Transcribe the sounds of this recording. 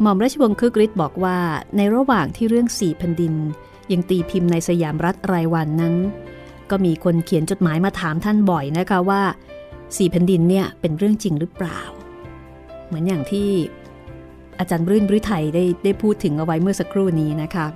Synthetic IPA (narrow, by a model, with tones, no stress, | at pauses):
mɔː˧mɾa˦˥t̚t͡ɕʰa˧wo˧ŋkʰɯː˦˥kɾi˦˥t̪̚bɔː˨˩k̚waː˥˩na˧jɾa˧˥waː˨˩ŋt̪ʰiː˥˩ɾɯ˥˩əŋsiː˨˩pʰɛ˧ndi˧n | ja˧ŋt̪iː˧pʰi˧mna˧jsa˧jaː˩˦mɾa˦˥t̪̚ɾaː˧jwa˧nːa˦˥n | kɔː˥˩miː˧kʰo˧nkʰi˨˩˦nt͡ɕo˨˩t̪̚maː˩˦jmaː˧t̪ʰaː˩˦mt̪ʰa˥˩nbɔ˨˩jna˦˥kʰa˦˥waː˥˩ | siː˨˩pʰɛ˧ndi˧nːi˥˩ɐpe˧nɾɯ˥˩əŋt͡ɕi˧ŋɾɯ˦˥pla̰ː˨˩w | mɯ˩˦ənjaː˨˩ŋt̪ʰiː˥˩ | ʔa˧t͡ɕaː˧nbɾɯː˥˩nbɾi˦˥t̪ʰa˧jdaː˥˩jda˥˩jpʰuː˥˩t̪ʰːɯ˩˦ŋʔa˧wa˦˥jmɯ˥˩ɐsa˧kʰɾuː˥˩niː˦˥na˦˥kʰa˦˥